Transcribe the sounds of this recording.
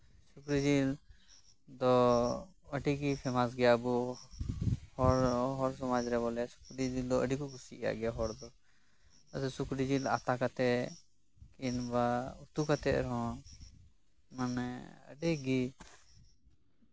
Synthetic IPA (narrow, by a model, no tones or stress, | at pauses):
sukɾid͡ʒil | d̪ɔ | əɖiɡipʰɛmas̬ɡɛjabu | hɔɾɦɔɾsɔmad͡ʒɾɛbɔlɛsu̥kɾid͡ʒild̪ɔʔəɖikɔɡusiʔja̰ɡɛjaɦɔɾd̪ɔ | əd̪ɛsukɾid͡ʒila̰t̪akat̪ɛ | kinbaut̪ukat̪ɛ̰ʔɾɔɦɔ̃ | manɛə̰ɖiɡi